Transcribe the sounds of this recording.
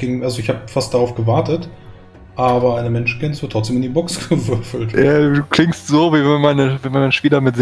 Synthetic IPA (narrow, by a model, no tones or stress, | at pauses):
ɡ̥ɪŋʔalzoɪçhaːbəfast̚d̥aʁaʊfɡ̥əvaɐtət | ʔaːbɐaɪnəmɛnʃn̩kʰɛnsv̥ɪɐtʰːʁɔt͡ssd̥eːmɪndibɔksɡ̥əvʏɐfl̩tjadduːkl̥ɪŋstz̥oːviːvɛnmaɪnəvɛnmanmanʃpiːlɐmɪtz̥